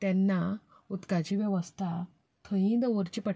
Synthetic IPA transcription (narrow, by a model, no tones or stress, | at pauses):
t̪jɛnːa | ut̪kad͡ʑiʋjɛʋəst̪ʰa | t̪ʰəjĩd̪əʋəɾt͡ɕipə